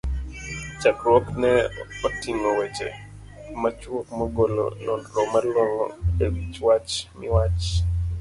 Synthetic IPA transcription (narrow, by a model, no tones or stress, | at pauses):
t͡ʃakɾwɔknɛotiŋowet͡ʃḛ | mat͡ʃwokmoɡolo̰nɔnɾɔmalwɔŋɔ̰ewit͡ʃwat͡ʃmɪwat͡ʃ